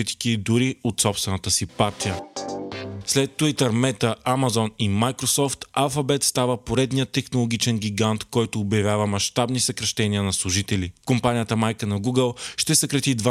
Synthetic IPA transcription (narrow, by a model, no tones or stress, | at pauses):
it̪i̥kid̪uɾiot̪sɔpst̪vɛnət̪əsipaɾt̪ijə | slɛt̪ːuit̪əɾmɛt̪əamɐzɔnimajkɾosɔft̪alˠfɐbɛt̪st̪avəpoɾɛd̪nijət̪ːɛxnolˠoɡ̟ʲit͡ʃɛnɡʲiɡant̪kɔjt̪oːbjɐvʲjavəmɐʃt̪abnisɐkɾɐʃt̪ɛniənɐslˠʊʒit̪ɛlikompanijət̪əmajkənɐɡuɡəlˠʃt̪ɛsəkɾɐt̪id̪va